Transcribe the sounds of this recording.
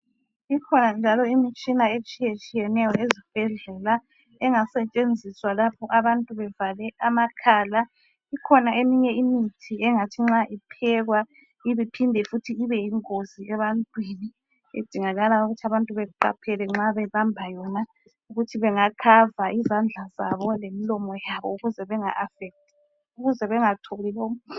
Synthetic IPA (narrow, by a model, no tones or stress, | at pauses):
ikʰɔnand͡ʒʱalɔimit͡ʃʼinaet͡ʃʼijet͡ʃʼijɛnɛjɔezib̥ʱɛɮɛla | ɛŋasɛt͡ʃʼend͡zʱiswalapʰɔʔaβantʼuβɛvalɛʔamakʰaːla | ikʰɔnaemiɲɛimitʰiɛŋatʰiŋ͡ǁaʔipʰɛɣwa | iβipʰindʱɛfutʰiːβɛiŋoziɛβantʼwiːni | ḛd̥ʱiŋaɣalauɣutʰaβantʼuβɛuǃa̰pʰɛlɛŋ͡ǁaβɛβambʱajɔna | uɣutʰiβɛŋakʰavaʔizand͡ɮʱazaβɔlemilɔmɔjaβɔuɣuzɛβɛŋa̰ʔafɛk̚t̚ʰʼɛ | uɣuzɛβɛŋatʰolilokɔ